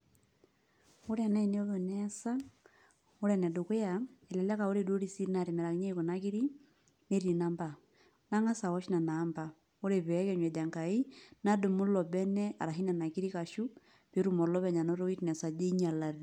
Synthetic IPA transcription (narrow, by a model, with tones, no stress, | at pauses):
o˦ɾɛ˨na˦i˦ne˦o˦ðo˨nɛsa˦ | o˦ɾɛnɛ˨do˨ke˦a˨e˨lɛ˨la˦ka˨o˦ɾe˨do˦ɾi˦si˦ɾna˨ɾe˨mɛ˨ɾa˨kɲe˦ko˨naki˦ɾi˦ | ne˦ɾi˨na˦mba˨ | na˦ŋa˦sa˨wɔ˦ʃi˦na˨na˨˦mba˨ | o˦ɾe˨βɛ˦kɛ˨ɲwɛ˨da˨ŋka˨i˦na˦do˨mu˦lɔ˨bɛ˦nɛ˦a̰˨ɾa˨ɦi˦na˨na˨ki˦ɾi˦ka˨ʃu˦ | βe˦ɾu˦mo˨ɾlɔ˦βɛɲa˨no˦ɾo˦i˦tnɛ˨sa˨d͡ʒe˦i˦ɲa˨la˨ði